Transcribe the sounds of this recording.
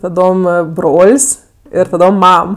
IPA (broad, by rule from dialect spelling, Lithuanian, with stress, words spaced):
tɐˈdoːm ˈɐ ˈbroːlʲsʲ ɪr tɐˈdoːm ˈmɐm